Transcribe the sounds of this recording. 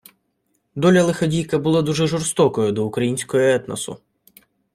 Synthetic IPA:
d̪ɔlʲɐlˠɪxɐdʲijkɐbʊlˠad̪uʒɛʒɔrst̪ɔkɔjʊd̪ɔʊkɾɐjinʲsʲkɔjɔɛt̪nɐ̰sʊ̰

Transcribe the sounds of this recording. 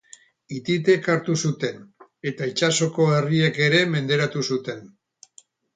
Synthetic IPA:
it̪it̪̬e̞kaɾt̪usut̪e̞ne̞t̪ait͡ʃaso̞ko̞erie̞ke̞ɾe̞me̞nd̪e̞ɾat̪usut̪e̞n

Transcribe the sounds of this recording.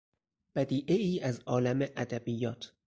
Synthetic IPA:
b̥æd̪iːʔeiːæzʔɒːlæmeʔæd̪æbijːɒːt̪ʰ

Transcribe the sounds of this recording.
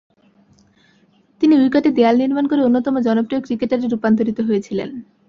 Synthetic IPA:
t̪iniujkaʈed̪ealniɾmankoɾeonːot̪ɔmod͡ʑɔnopɾijokɾikeʈaɾeɾupant̪̬oɾit̪oɦojet͡ɕʰilḛn

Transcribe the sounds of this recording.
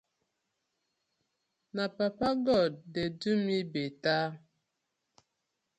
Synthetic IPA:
napapaɡɔddɛdʉmibeta

